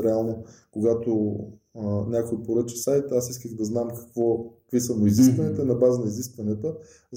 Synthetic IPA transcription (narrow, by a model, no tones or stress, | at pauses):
ɾɛalˠnokʊɡat̪o | nʲakojpoɾət͡ʃi̥sajt̪asiskəxd̪ɐznamkɐ̥kvɔkkvisənoiziskvɐnit̪ənɐbazənɐiziskvɐnɛt̪ə | z